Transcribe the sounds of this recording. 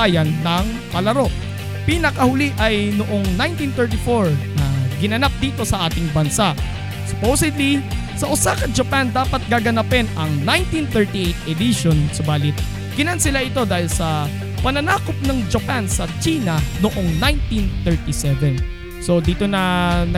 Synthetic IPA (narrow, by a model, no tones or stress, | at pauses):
ajɐnːɐŋ | pɐlɐɾo̞ʔ | pinɐkɐhʊliʔɐjnoʔo̞ŋnajnt̪ĩnt̪ɛɹt̪ɪfoɹnɐɡɪnɐnap̚d̪iːt̪o̞sɐʔaːt̪ɪŋbɐnsaʔ | sʊpowsɪd̪li | sɐʔʊsaːkɐd͡ʒɐpand̪aːpɐt̪̚ɡaːɡɐnapɛnɐŋnajnt̪inθɛɹt̪iʔejt̪ʔɛd̪iʃonsʊbaːlɪt̪̚ | ɡ̥ɪnansɪlaʔɪt̪o̞d̪aːhɪlsɐ | pɐnɐnaːkop̚nɐŋd͡ʒɐpansɐt͡ʃiːnɐnoʔo̞ŋnajnt̪inθɛɹt̪isɛvɛn | so̞d̪iːt̪o̞nɐnɐ